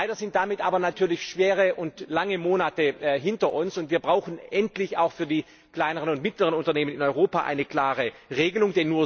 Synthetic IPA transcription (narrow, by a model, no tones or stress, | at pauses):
laɪdɐzɪnt̚d̥amɪtʔaːbɐnatʰyːɐlɪçʃv̥eːʁəʔʊntlaŋəmoːnatəɦɪntɐʔʊnsʊntviːɐbʁaʊxn̩ʔɛntlɪça̰ʊxfyːɐdiː | kl̥aɪnəʁənʊntmɪtləʁ̞ənʊntɐneːmənɪnɔʏʁoːpaʔa̰ɪnəkl̥aːʁəʁeːɡəlʊŋdenuːɐ